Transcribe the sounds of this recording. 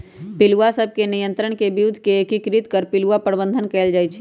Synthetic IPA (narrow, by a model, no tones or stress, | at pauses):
piluʋasəb̚ʱkenijə̃nt̪ɾəɳ̃kebiɾud̪ʱːkeːkikɾit̪kəɾpiluʋapɾəbənd̪ʱənkɛld͡ʒajt͡ʃʰɛ